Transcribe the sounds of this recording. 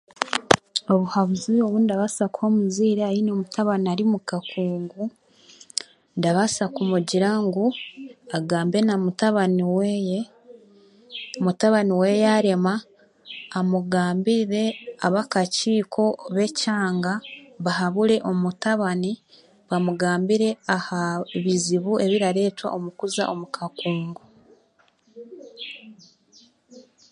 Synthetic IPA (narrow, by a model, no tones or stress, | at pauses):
o̞βuhaβuzio̞βundaβasakuho̞muziːɾeajino̞mutaβaniaɾimukakuːŋɡu | ndaβasakumuɟiɾaŋɡuaɡaːmbe̞namutaβaniweje | omutaβaniwejaɾe̞maː | muɡaːmbiɾe̞aβakaciːkʰo̞βe̞caːŋɡaβaɦaβuɾe̞ʔo̞mutaβani | βamuɡaːmbiɾe̞ahaβiziβuʔe̞βiɾaɾe̞ːtwa̰ʔo̞mukuza̰ʔo̞mukʰakuːŋɡo